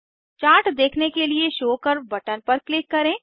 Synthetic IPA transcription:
t͡ʃaːɾʈʰd̪eːkʰnekelieʃoːkəɾbɐʈənpɐɾklɪkːɐɾẽː

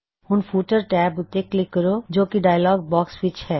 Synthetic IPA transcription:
hʊnfʰuːʈəɾʈɛːbʊt̪eklɪkːəɾod͡ʒoːkiɖaːjlɔːɡ̚bɔːkswɪt͡ʃhɛː

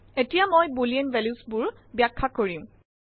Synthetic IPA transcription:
etijamojbulienvɛlusbʊɹ | bjakʰːakoɹiʊ̃

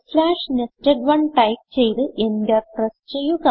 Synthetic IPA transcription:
slaːʂnestɐɖʋɐɳʈɐjk̚t͡ɕe̞jt̪ɨʔenɡɐrprest͡ɕe̞jːuɣɐ

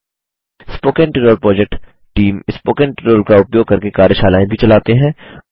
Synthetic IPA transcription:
spoːkẽnʈɪʈoːlpɾɔːd͡ʒɛk̚ʈ | ʈiːmɪspoːkẽnʈɪʈoːlkaʊpjoːɡ̚kɐɾkekaːɾjəʃaːlaːẽbʱit͡ʃɐlaːt̪eɦɛ̃ː

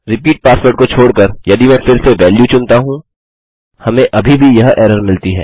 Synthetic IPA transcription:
ɾɪpiːʈ̚paːsʋəɾʈ̚kot͡ʃʰoːɽkɐɾjɐd̪imɛ̃ːfɪɾseʋɛːljut͡ʃʊnt̪aɦũ | hɐmẽʔɐbʱibʱijɐɦɛːɾəɾmɪlt̪iɦɛ̰ː

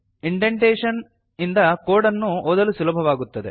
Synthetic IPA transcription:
iɳɖeɳʈeːʂɐn | ind̪ɐkoːɽɐnːuɔːd̪ɐlusulɐbʱɐʋaːɡut̪ːɐd̪e̞

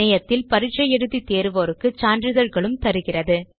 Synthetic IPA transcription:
ɐjɐt̪ːɪlpɐɾɪʈt͡ʃɐjɛɽɯðit̪eːɾɯʋoːɾɯkːɯt͡ʃaːndrɯðɐɾɣɐɭɯmt̪ɐɾɯɣɪrɐðɯ

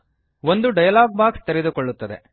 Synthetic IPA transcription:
ʋond̪uɖɐjɐlaːɡ̚baːkst̪eɾed̪ukoɭːut̪ːɐd̪e̞̰

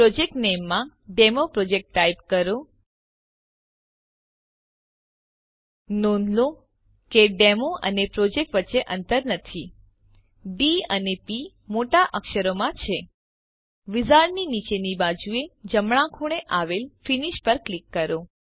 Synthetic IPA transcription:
pɾod͡ʒek̚ʈnemːãɖemopɾod͡ʒek̚ʈːajpkəɾo | nõnd̪lo | keɖemoʔənepɾod͡ʒek̚ʈʋətːʃeʔənt̪əɾnət̪ʰi | ɖiənepi | moʈaʔəkʃəɾomãt͡ʃʰe | ʋizaɾninit͡ʃenibad͡ʒued͡ʒəmɭãkʰoɽ̃eʔaʋelfiniʃpəɾklikːəɾo

